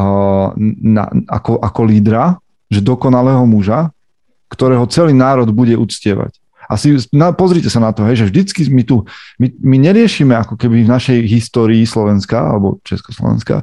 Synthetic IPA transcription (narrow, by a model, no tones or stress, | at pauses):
na̰a̰kɔʔakɔliːd̪ɾa | ʒɛd̪ɔkɔnalɛːɦɔmuʒa | kt̪ɔɾɛːɦɔt͡sɛliːnaːɾɔd̪buɟɛʔut͡scɪɛʋa̰c | ʔasinapɔzɾicɛsanat̪ɔɦɛjʒɛvʒd̪it͡skimit̪umimiɲɛɾɪɛʃiːmɛakɔkɛbivnaʃɛjɦist̪ɔːɾiːslɔʋɛnskaa̰lɛbɔ̰t͡ʃɛskɔ̥slɔ̰ʋɛ̰nska̰